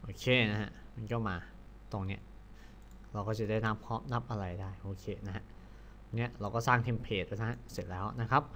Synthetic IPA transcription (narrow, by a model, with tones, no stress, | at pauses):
ʔoː˧˩kʰeː˧˩na˦˥ha̰˦˥ma˧nkɔː˥˩maː˧ | t̪o˧ŋni˦˥ɐ | ɾa˧wkɔː˥˩t͡ɕa˨˩daː˥˩jna˦˥pʰɔː˦˥mna˦˥p̚ʔa˧ɾa˧jdaː˥˩jʔoː˧˩kʰeː˧na˦˥ɦa˦˥ʔ | ŋni˦˥ɐʔɾa˧wkɔː˥˩saː˥˩ŋt̪ʰi˧mpʰeː˨˩t̪̚wna˦˥ɦa˧˥se˨˩t̪̚lɛː˦˥wna˦˥kʰa˦˥p̚